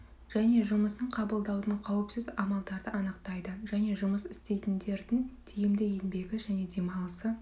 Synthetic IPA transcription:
ʒ̥æne̞ʒʊməsəɴqʰɑbəlˠd̪ɑwd̪əɴqʰɑwəpsɪzɑmɑlˠd̪ɑɾd̪əʔɑnəqt̪ɑjd̪əʒæne̞ʒʊməsɪst̪e̞jt̪ɪnd̪e̞ɾd̪ɪŋt̪ʰijɪmd̪ɪje̞nbe̞ɡʲɪʒæne̞d̪e̞mɑlˠəsə

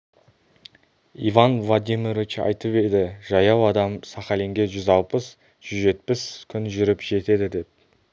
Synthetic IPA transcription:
ivɑnvlˠad̪ʲimirɾvit͡ʃɑ̰jt̪əpe̞d̪ɪʒɑjɑwɑd̪ɑmsɑχɑleŋɡʲe̞ʒʏzɑlˠpəs | ʒ̥ʏzʒe̞t̪̚pɪskʲʰʏnʒʏɾɪpʒ̥e̞t̪e̞d̪ɪd̪e̞p̚

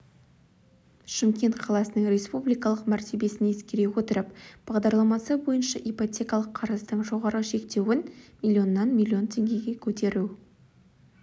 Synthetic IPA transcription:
ʃəmkʲe̞nt̪qʰɑlˠɑsənəŋɾʲe̞spublijkɑlˠəqmæɾt̪ʰe̞be̞sɪneskʲe̞ɾe̞wot̪əɾəpb̥ɑʁd̪ɑɾlˠɑmɑsəbo̞jənʃɑʔijpot̪ʲe̞kɑlˠəqʰɑɾəzd̪əɴʒo̞ʁɑɾəʃe̞kt̪e̞wɪnmʲilʲˠːio̞nːɑnmʲilʲio̞nt̪ʲʰe̞ŋɡʲe̞ɡʲe̞kʲʰɵt̪e̞ɾu

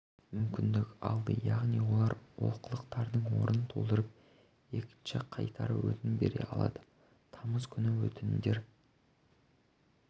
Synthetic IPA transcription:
mʏmkʲɪnd̪ɪkʲɑlˠd̪əjɑʁnijwo̞lˠɑɾwo̞̰lˠqʰəlˠəqt̪ɑɾd̪əɴwo̞̰ɾənənt̪ʰo̞lˠd̪əɾəp̚ | e̞kʲɪ̥nʃɪqʰɑjt̪ɑɾə̰wɵ̰t̪ɪnɪbe̞̰ɾe̞̰ɑ̰lˠɑ̰d̪ə | t̪ʰɑməzkʲʰʏnɪwɵt̪ɪnɪd̪e̞ɾ

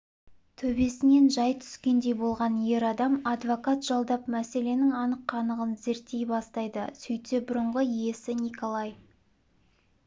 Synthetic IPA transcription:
t̪ʰɵbe̞sɪne̞nʒɑjt̪ʰʏ̥skʲe̞nd̪e̞jbo̞lˠʁɑnje̞ɾɑd̪ɑmɑd̪vokat̪ʒ̥ɑlˠd̪ɑpmæse̞le̞nɪŋɑnəqːɑnəʁənze̞ɾt̪ːe̞jbɑst̪ɑjd̪əsʏjt̪ebʊɾəɴʁəije̞sɪnikolˠɑj

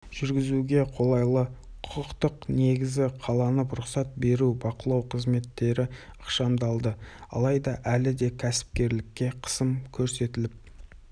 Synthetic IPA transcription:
ʒ̥ʏɾɡʲɪzuɡʲe̞qʰo̞lˠɑjlˠə | qʰʊ̥qəqt̪əqne̞ɡʲɪzɪqʰɑlˠɑnəp̬ɾʊqsɑt̪̚be̞ɾubɑqəlˠɑwqʰəzme̞t̪ːe̞ɾɪəqʃɑmd̪ɑlˠd̪əɑ̰lˠɑjd̪ɑʔælɪd̪e̞kʲʰæsɪ̥p̚kʲe̞ɾlɪkʲːe̞qʰə̥səmkʲʰɵɾse̞t̪ɪlɪp̚

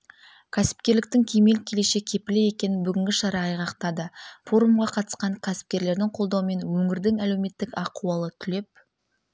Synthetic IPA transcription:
kʲʰæsɪ̥p̚kʲe̞ɾlɪk̚t̪ɪŋkʲʰeme̞lkʲʰele̞ʃe̞kʲʰe̞pɪleje̞kʲe̞nɪnbʏɡʲɪŋɡʲɪʃɑɾɑːjʁɑqt̪ɑd̪əfo̞ɾumʁɑqʰɑt̪ə̥sqɑɴkʲʰæsɪ̥p̚kʲe̞ɾle̞ɾd̪ɪŋqʰo̞lˠd̪ɑwəme̞nwɵŋɪɾd̪ɪŋæle̞wme̞t̪ːɪkɑquwɑlˠət̪ʰʏle̞p̚

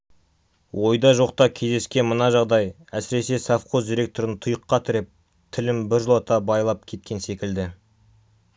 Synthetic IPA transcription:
wʔo̞jd̪ɑʒo̞qt̪ɑkʲʰe̞zd̪e̞skʲe̞nmənɑʒɑʁd̪ɑj | æsɪɾe̞se̞safqozd̪iɾe̞k̚t̪oɾɪnt̪ʰʊjəqːɑt̪ʰɪɾɪp̚ | t̪ʰɪlɪmbɪɾʒəlˠɑt̪ɑbɑjlˠɑp̚kʲʰe̞t̪̚kʲe̞nse̞kʲɪld̪ɪ

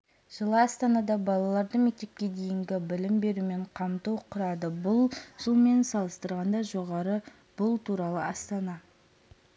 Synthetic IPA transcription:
ʒ̥əlˠəɑst̪ɑnɑd̪ɑbɑlˠɑlˠɑɾd̪əmek̚t̪e̞p̚kʲe̞d̪e̞jɪŋɡʲɪbɪlɪmbe̞ɾume̞ɴqʰɑmt̪uwqʰʊɾɑd̪əbʊlˠʒ̥ʊlˠme̞nsɑlˠəst̪əɾʁɑnd̪ɑʒo̞ʁɑɾə | b̥ʊlˠt̪ʰuɾɑlˠəɑst̪ɑnɑ

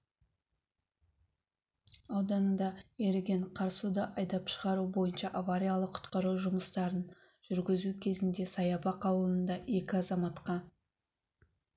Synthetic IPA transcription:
ɑwd̪ɑnəd̪ɑe̞ɾɪɡʲe̞ɴqʰɑɾsud̪əʔɑjd̪ɑpʃəʁɑɾubo̞jənʃɑʔavaɾʲijalˠəqʰʊ̥t̪qɑɾuʒʊməst̪ɑɾən | ʒ̥ʏɾɡʲɪzukʲʰe̞zɪnd̪e̞sɑjɑbɑqʰɑwəlˠənd̪ɑʔe̞kʲɪɑzɑmɑt̪qɑ

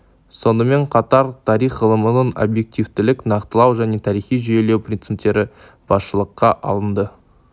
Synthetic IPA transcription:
so̞nəme̞ɴqʰɑt̪ɑɾt̪ʰɑɾijχʁəlˠəmənəɴo̞̰bje̞k̚t̪ivt̪ɪlɪknɑqt̪əlˠɑwʒæne̞t̪ʰɑɾijχijʒʏje̞le̞wprʲint̪sip̚t̪e̞ɾɪ | b̥ɑsʃəlˠəqːɑʔɑ̰lˠənd̪ə

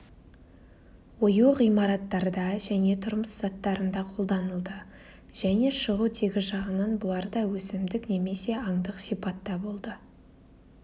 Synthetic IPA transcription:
wojuqijmɑɾɑt̪ːɑɾd̪ɑʒæne̞t̪ʰʊɾməsz̥ɑt̪ːɑɾənd̪ɑqʰo̞lˠd̪ɑnəlˠd̪ə | ʒ̥æne̞ʃəʁut̪ʰe̞ɡʲɪʒɑʁənɑnbʊlˠɑɾd̪ɑwɵsɪmd̪ɪkne̞me̞se̞ɑɴd̪əqsijpɑt̪ːɑbo̞lˠd̪ə

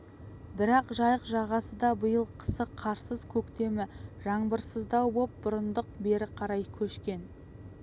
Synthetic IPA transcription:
bɪɾɑqʒɑjəqʒɑʁɑsəd̪ɑbəjəlˠqʰə̥səqʰɑɾsəzkʲʰɵkt̪e̞mɪʒɑɴbəɾsəzd̪ɑwbo̞p̚bʊɾənd̪əq̚be̞ɾɪqʰɑɾɑjkʲʰɵʃkʲe̞n

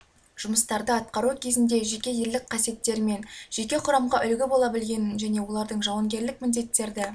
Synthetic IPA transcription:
ʒ̥ʊməst̪ɑɾd̪əɑt̪̚qɑɾukʲʰe̞zɪnd̪e̞ʒe̞kʲe̞jelɪk̚qʰɑsije̞t̪ːe̞ɾɪme̞nʒ̥e̞kʲe̞qʰʊɾɑmʁɑʔʏlɡʲɪbo̞lˠɑbɪlɡʲe̞nɪnʒæne̞wo̞lˠɑɾd̪əɴʒɑwɑŋɡʲe̞ɾlɪk̚mɪnd̪e̞t̪ːe̞ɾd̪ɪ

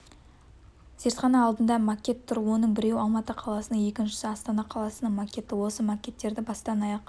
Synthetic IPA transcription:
z̥e̞ɾt̪χɑnɑːlˠd̪ənd̪ɑmakʲːe̞t̪ʰːʊɾwo̞nəɴbɪɾe̞wɑlˠmɑt̪əqʰɑlˠɑsənəɴje̞kʲɪnʃɪ̥sɪɑst̪ɑnɑqʰɑlˠɑsənəɴmakʲe̞t̪ɪwo̞səmakʲe̞t̪ːe̞ɾd̪ɪbɑst̪ɑnɑjɑq

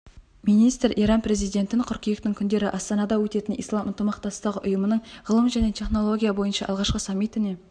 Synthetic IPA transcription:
mijnijst̪ɾʔḭjɾɑnpɾe̞zijd̪e̞nt̪ɪɴqʰʊɾkʲijekt̪ɪŋkʲʰʏnd̪e̞ɾɪʔɑst̪ɑnɑd̪ɑwɵt̪e̞t̪ɪnḭjslˠɑmʔʊnt̪əmɑqt̪ɑst̪əʁəʔʊjəmənəɴʁəlˠəmʒæne̞t̪ʲʰe̞χno̞lˠo̞ɡʲijabo̞jənʃɑʔɑlˠʁɑʃqəsɑmːit̪ɪne̞

